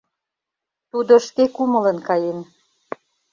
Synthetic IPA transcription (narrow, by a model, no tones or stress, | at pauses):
t̪ud̪oʃkekumə̆lə̆nkɑjem